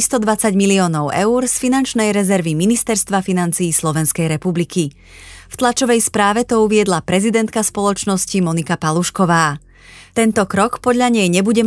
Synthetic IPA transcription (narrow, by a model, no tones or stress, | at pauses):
st̪ɔd̪ʋat͡saɟmiliɔːnɔʊʔɛuɾsfinant͡ʃnɛjɾɛzɛɾʋiminist̪ɛɾst̪ʋafinant͡siːslɔʋɛnskɛjɾɛpublikʰi | ft̪lat͡ʃɔʋɛjspɾaːʋɛt̪ɔuʋɪɛd̪lapɾɛzid̪ɛnt̪kaspɔlɔt͡ʃnɔscimɔnikapaluʃkɔʋaː | t̪ɛnt̪ɔkɾɔkpɔd̪ʎaɲɛjɲɛbuɟɛ